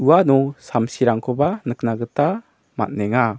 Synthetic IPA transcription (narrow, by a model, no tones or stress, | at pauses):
uwanɔsamsiɾaŋkʰɔbanɯknaɡɯta | ma̰t̚nɛŋa